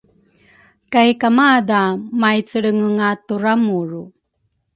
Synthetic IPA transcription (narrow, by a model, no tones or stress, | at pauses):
kajkamadamajt͡səɭəŋəŋatuɾamuɾu